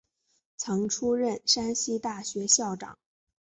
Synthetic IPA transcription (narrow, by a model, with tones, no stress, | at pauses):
t͡sʰɤ˧˥ŋʈ͡ʂʰu˥ɻə˥˩nʂa˥nɕi˥t̪a˥˩ɕɥɛ˧˥ɕjɑ˥˩ʊʈ͡ʂɑ̰˨˩˦ŋ